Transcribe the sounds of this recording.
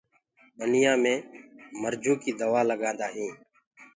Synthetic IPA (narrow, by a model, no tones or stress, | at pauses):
ənɪjãːmẽːməɾd͡ʒuːkiːd̪əʋaːləɡãːnd̪aːɦĩː